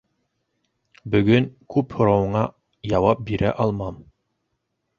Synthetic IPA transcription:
bɵ̆ɡɵŋkʉphŏɾɑwɤ̆ɴɑ | jɑwɑp̚biɾʔæʔɑlˠmɑm

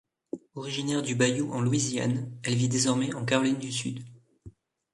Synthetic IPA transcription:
ɔʁiʒinɛʁd̪ybajuʔɑ̃lwizja̰nɛlvid̪ezɔʁmɛʔɑ̃kaʁɔlind̪ysy̰d̪

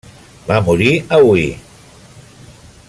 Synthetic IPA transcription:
bamuɾiawi

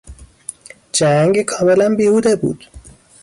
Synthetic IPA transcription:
d͡ʒæŋɡkʰɒːmelænbiːhuːd̪ebṵːd̪̥

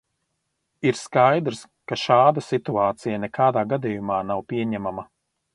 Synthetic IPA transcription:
iɾskajd̪ɾs | kaʃaːd̪ɐsit̪uaːt̪sijanɛkaːd̪aːɡad̪ijumaːnawpiɛɲæmama

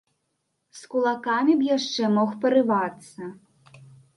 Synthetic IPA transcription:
skulˠakamʲibjaʂt͡ʂɛmɔxpɐɾɨvat̪sːɐ

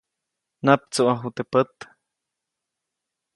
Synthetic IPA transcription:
nap̚t͡suʔaɦut̪epət̪

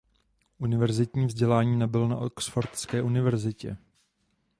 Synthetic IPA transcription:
ʔunɪvɛɾzɪt̪ɲiːvzɟɛlaːɲiːnɛbɪlonaʔoksfoɾt̪skɛːʔunɪvɛɾzɪcɛ̰

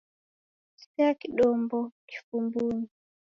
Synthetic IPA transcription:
si̥pɛakiɗɔmbɔki̥fumbuni

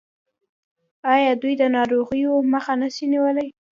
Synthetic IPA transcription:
ɑjɑd̪ujd̪ənɑɾoɣəjoməxanəʃiniwəlaj

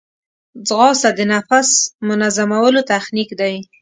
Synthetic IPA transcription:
d͡zɣɑsad̪ənafasmʊnazamawəlot̪axnikd̪aj

